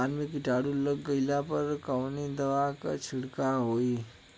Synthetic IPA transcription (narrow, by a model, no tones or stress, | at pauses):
anmikiʈaɽuləɡːəiljapəɾkəʋnid̪əʋakat͡ɕʰiɽkaɦoiː